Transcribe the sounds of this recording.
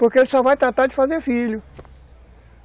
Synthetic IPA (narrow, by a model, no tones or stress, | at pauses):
poɾkeelɪsɔvajt̪ɾat̪aɾd͡ʒɪfazeɾfilʊ